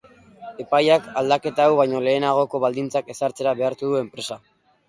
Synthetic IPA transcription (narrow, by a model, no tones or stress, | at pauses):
e̞pajakald̪ake̞t̪aːwβajɲo̞le̞ːnaɣ̞o̞ko̞βald̪int͡sake̞saɾt͡se̞ɾaβe̞aɾt̪uðue̞mpɾe̞sa